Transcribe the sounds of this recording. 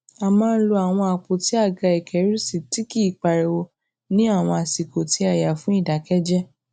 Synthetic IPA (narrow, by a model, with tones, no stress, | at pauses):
a˨mãː˦˧n̩˦lo˧a˨w̃ɔ̃˧a˨k͡po˨ti˨˦a˦˨ɡa˧i˨kʰɛ˨˦ɾu˦si˨ti˦ki˦˨k͡pa˨ɾe˨wo˧ | nĩ˦a˦˨w̃ɔ̃˧a˨si˨ko˨ti˨˦a˦˨ja˨fũ˨˦i˦˨da˨kɛ˦d͡ʒɛ˦